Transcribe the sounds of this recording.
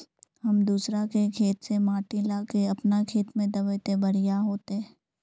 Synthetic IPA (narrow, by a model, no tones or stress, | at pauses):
ɦɐmd̪uːsɾakekʰeːt̪semaːʈilaːkeɐpnakʰeːt̪mẽd̪ɐbəjt̪ebɐɽ̤ɪjaɦoːt̪e